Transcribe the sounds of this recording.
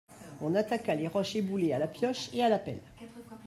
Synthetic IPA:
ɔ̃nat̪akaleʁɔʃebulealapjɔʃealapɛ̰l

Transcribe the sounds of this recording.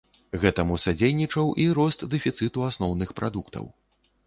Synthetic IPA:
ɣɛt̪ɐmusad͡zʲejnʲit͡ʂɐwʔiɾɔst̪d̪ɛfʲit̪sɨt̪uasnɔwnɨxpɾad̪ukt̪ɐ̰w

